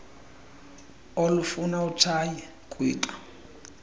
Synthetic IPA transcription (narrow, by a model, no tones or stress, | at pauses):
olufunautʰaji | kʼweːǃu̥